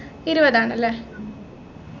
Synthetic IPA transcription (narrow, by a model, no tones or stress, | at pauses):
iɾubɐðaːɳɐlːe